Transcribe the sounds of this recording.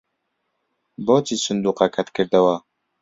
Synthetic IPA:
bɔːt͡ʃisʊnd̪uːqakʰat̪kɨɾd̪ɐwa

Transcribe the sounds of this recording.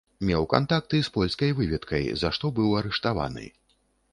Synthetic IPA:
mʲɛwka̰nt̪ak̚t̪ɨspɔlʲskɐjvɨvʲɛt̪kʰɐjzaʂt̪ɔbɨwɐɾɛʂt̪ava̰nɨ̰

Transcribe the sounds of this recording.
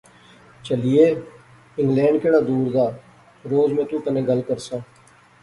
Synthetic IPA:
t͡ʃəlijeː | ɪ̃ŋɡlɛ̃ːɳɖkeːɽaːd̪uːɾd̪aː | ɾoːzmẽːt̪ũːt̪ənẽːɡəlkəɾsãː

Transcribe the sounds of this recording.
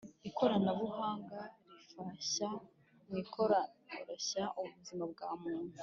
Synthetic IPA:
ikʰo̞ɾanaβuhaːŋɡaɾifaa | nikʰoɾɾeɕaʔuβuzimab̚ɡaːmuːn̥u

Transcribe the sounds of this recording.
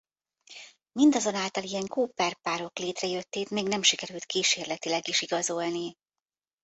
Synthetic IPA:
mind̪ɒzo̞naːlt̪ɒlijɛŋkuːpɛrpaːɾo̞kleːt̪rɛjø̞t̪ːeːt̪meːɡnɛmʃikɛɾylt̪kiːʃeːrlɛt̪ilɛɡiʃiɡɒzo̞lni

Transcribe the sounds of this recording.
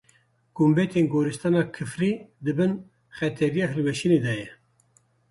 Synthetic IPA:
ɡ̥umbɛt̪ʰeːnɡoːɾɨst̪ɑːnɑːkʰɨfriːd̪ɨbɨn | χɛt̪ʰɛɾijɑːɦɨlwɛʃineːd̪ɑːjɛ

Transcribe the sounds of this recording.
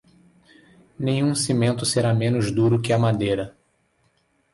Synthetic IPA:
nẽj̃ũsimẽnt̪ʊseɾamẽnʊzd̪uɾʊkɪɐmad̪ejɾɐ

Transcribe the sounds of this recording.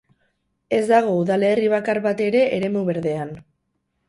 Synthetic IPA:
e̞zd̪aɣ̞o̞uðale̞ːriβ̞akarβat̪e̞ɾe̞ʔːɾe̞muβe̞ɾðe̞an

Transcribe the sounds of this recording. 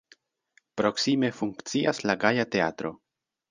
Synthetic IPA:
pɾo̞ksime̞fuŋkt͡siaslaɡajate̞atɾo̞̰

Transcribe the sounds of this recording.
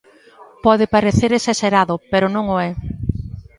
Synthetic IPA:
pɔðɪpaɾeθeɾesaʃeɾaðʊpeɾʊnõŋoɛ

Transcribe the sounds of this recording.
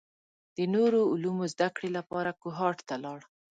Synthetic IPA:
d̪̥ənoɾoʊlumozd̪akɽelapɑɾakʊɦɑʈt̪alɑɽ

